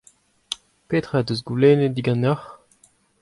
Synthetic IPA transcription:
peːt̪χaːdøzɡuleːnediɡɑ̃naχ

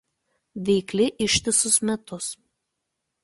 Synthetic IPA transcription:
ʋʲɛɪklʲɪʔɪʃʲt̪ʲɪsʊsmʲɛt̪ʊs

